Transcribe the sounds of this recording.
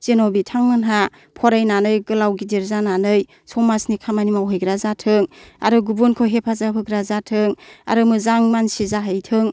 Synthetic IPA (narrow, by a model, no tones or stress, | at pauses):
zenobitʰaŋmɯnɦa | pʰɔɾajnanɯjɡɯlawɡidiɾzananɯj | sɔmasnikʰamanimawɦɯjɡɾazatʰɯŋa̰ɾɯɡubunkʰoɦepʰazapʰɯɡɾazatʰɯŋa̰ɾɯmɯzaŋmansizaɦajtʰɯŋ